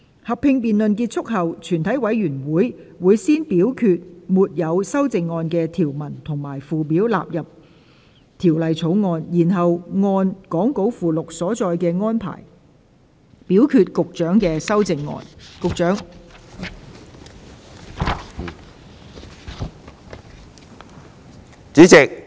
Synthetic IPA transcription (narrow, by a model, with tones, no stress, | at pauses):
hɐ˨ppʰːɪ˧ŋpiː˨nlɵ˨nkiː˧t̚t͡ʃʰʊ˥k̚hɐ˨wt͡ʃʰyː˨˩nt̪ʰɐ˨˥jwɐ˨˥jɥyː˨˩nwuː˨˥jwuː˨˧jsiː˥npiː˨˥wkʰyː˧t̚muː˨t̚jɐ˨˧wsɐ˥wt͡sɪ˨˧ŋːɔː˧nkɛː˧t̪ʰiː˨˩wmɐ˨˩nt̪ʰʊ˨˩ŋmaː˨˩jfuː˨p̬iː˨˥wla̰ː˨p̚jɐ˨p̚ | t̪ʰiː˨˩wlɐ˨jt͡sʰo˨˥wŋɔː˧njiː˨˩nɦɐ˨wŋɔː˧nkɔː˨˥ŋko˨˥wfuː˨lʊ˨k̚sɔː˨˥t͡sɔː˧jkɛː˧ŋɔː˥npʰa̰ː˨˩j | piː˨˥wkʰyː˧t̚kʊ˨k̚t͡ʃœː˨˥ŋkɛː˧sɐ˥wt͡sɪ˨˧ŋːɔ̰ː˧nkʊ˨k̚t͡ʃœː˨˥ŋ | t͡siː˨˥t͡sɪ˨k̚